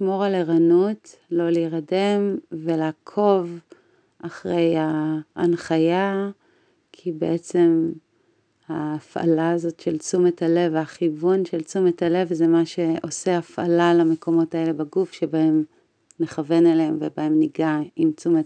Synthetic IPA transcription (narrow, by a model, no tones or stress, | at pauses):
ʃmo̞ʁaleʁanut | lo̞liːʁade̞mve̞laːkʰo̞v | aχʁe̞jaːnχaja | kʰibḛʔet͡se̞m | haːfa̰laːzo̞tʃe̞lt͡sumetʰale̞vaχivunʃe̞lt͡sumetʰale̞vzemaʃe̞o̞seafa̰lalame̞ko̞mo̞tae̞le̞baɡufʃebae̞m | neχave̞naleemvebae̞mniɡaimt͡sumet